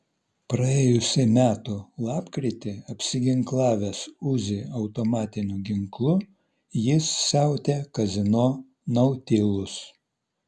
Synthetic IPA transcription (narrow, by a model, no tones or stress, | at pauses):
pɾɐeːjʊsʲɪmʲæːt̪ʊlˠɑːpkɾʲɪt̪ʲɪɐpʲsʲɪɡʲɪŋklˠɑːʋʲesʊzʲɪɐʊt̪omɑːt̪ʲɪnʲuɡʲɪŋklˠʊ | jɪsːʲæˑʊt̪ʲekɐzʲɪnoː | nɐʊt̪ʲɪlˠʊs